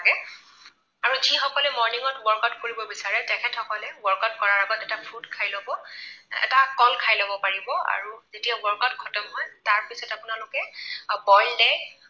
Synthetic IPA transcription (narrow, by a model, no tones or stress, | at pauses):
aɡɛ | aɹuzixɔkɔlɛmɔɹniŋɔtbɔɹkɔtkoɹibɔbisaɹɛtɛkʰɛthɔkɔlɛbɔɹkɔtkɔɹaɹaɡɔtɛtapʰudkʰajlɔbɔɛ̰takɔlkʰajlobɔpaɹibɔa̰ɹuzetijabɔɹkɔtkʰɔtɔmɦɔjtaɹpisɔtapʊnalʊkɛbɔjldɛj